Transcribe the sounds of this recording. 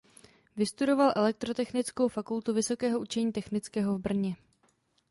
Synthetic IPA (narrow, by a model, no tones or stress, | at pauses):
vɪst̪udo̞valʔɛlɛk̚t̪ɾot̪ɛxnɪt͡sko̞wfakult̪uvɪso̞kɛːɦo̞ut͡ʃɛɲiːt̪ɛxnɪt͡skɛːɦo̞vbr̩ɲɛ